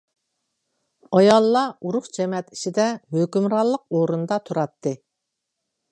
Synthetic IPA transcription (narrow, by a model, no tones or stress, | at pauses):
ɑjɑlˠːɑuɾʊχd͡ʒɛmɛt̪i̥ʃid̪ɛhøkʲymɾɑlˠːəq̚oɾund̪ɑt̪ʰuɾɑt̪ːɨ